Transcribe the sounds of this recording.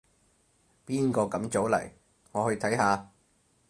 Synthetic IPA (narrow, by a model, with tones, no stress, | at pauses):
piː˥nkɔː˧kɐ˨˥mt͡so˨˥wlɐ̰˨˩j | ŋɔː˨˧hɵ˧ɥt̪ʰɐ˨˥jɦaː˧